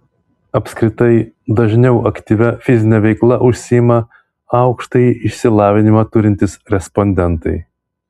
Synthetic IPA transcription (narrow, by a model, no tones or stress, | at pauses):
ɐpʲsʲkɾʲɪt̪ɐɪd̪ɐʒʲnʲɛʊʔɐkt̪ʲiːʋʲɛfʲɪzʲɪnʲɛʋʲɛɪklˠɐʔʊʃʲsʲɪjɪmɐ | ɐʊkʃt̪ɐjiʔɪʃʲsʲɪlˠɑːʋʲɪnʲɪmɑt̪ʊɾʲɪnʲt̪ʲɪsɾʲɛspɔnʲd̪ʲɛnt̪ɐɪ